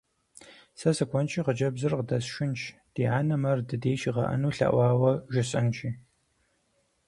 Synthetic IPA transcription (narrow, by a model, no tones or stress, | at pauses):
sɐsɨkʷʰɔnt͡ʃʰiːʁəd͡ʒɐbzɨrqdɐsʃʷʊnt͡ʃʰd̥iːʕaːnɐmɐrdɨdeːʃiʁɐ̰ʔɐ̰nuːɬɐ̰ʔʷɑːwɐʒʷɪɕʼɐnt͡ʃʰʼiː